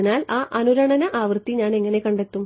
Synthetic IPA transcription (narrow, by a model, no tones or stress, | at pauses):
naːlaːʔɐnuɾɐɳɐnɐʔaːʋrt̪ːiɲaːne̞ŋːɐne̞kɐɳɖe̞t̪ːum